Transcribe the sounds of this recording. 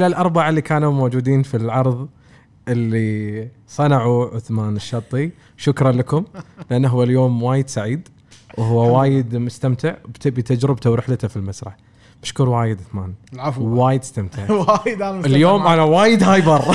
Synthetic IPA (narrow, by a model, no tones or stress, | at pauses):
ʔɪlalʔɑɾˤbaʕalːikaːnumoːd͡ʒuːd̪iːnfilʕɑɾˤðˤ | ʔɪlːi | sˤɑnaʕuʕʊθmaːnɪʃːɑt̪ˤːi | ʃʊkɾˤɑnlakʊmlʔanːaɦuwːaljoːmwaːjɪd̪saʕiːd̪ | wʔɦʊwːawaːjɪd̪mʊst̪amt̪ʰɪʕbt̪bit̪ad͡ʒɾɪb̚t̪awɾɪħlat̪afilmasɾˤɑ̰ħ | bɪʃkuːɾwaːjɪd̪ʕʊθmaːnwaːjɪd̪ɪst̪amt̪ɪʕajd̪aɪljoːmʔanawaːjɪd̪haːjbɑrˤ